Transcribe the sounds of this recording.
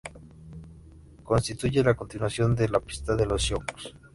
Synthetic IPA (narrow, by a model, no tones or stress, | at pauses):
ko̞nst̪it̪uʝelako̞nt̪inwasjo̞nd̪elapi̥st̪aðe̞losjomko̥s